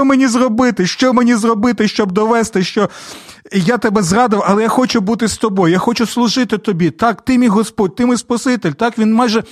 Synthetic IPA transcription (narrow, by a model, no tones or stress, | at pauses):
ɔmenʲizrɔbɪt̪ɪʃt͡ʃɔmenʲizrɔbɪt̪ɪʃt͡ʃɔb̚d̪ɔʋɛst̪ɪʃt͡ʃɔ | jat̪ɛbɛzrɑd̪ɪwɐlˠɛjaxɔt͡ʃʊbut̪̬ɪst̪ɔbɔjʊjaxɔt͡ʃʊslˠʊʒɪt̪ɪt̪ɔbʲit̪ɑkt̪ɪmʲijɦɔspɔd̚ʲt̪ɪmɪjspɐsɪt̪elʲt̪ɑkʋʲinmɑjʒɛ